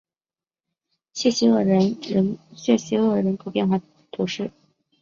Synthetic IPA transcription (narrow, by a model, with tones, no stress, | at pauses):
ɕɥɛ˥˩ɕi˧˥ɤ˥˩ɻə˧˥nɻə˧˥ɕɥɛ˥˩ɕi˧˥ɤ˥˩ɻə˧˥nkʰo˧˥ʊpjɛ˥˧nxwa˥˩ | t̪ʰu˧˥ʂɻ̩˥˩